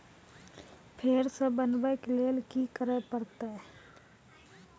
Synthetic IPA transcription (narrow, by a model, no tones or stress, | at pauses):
pʰeːɾsəbənbəkleːlkikəɾəpəɾt̪aɦ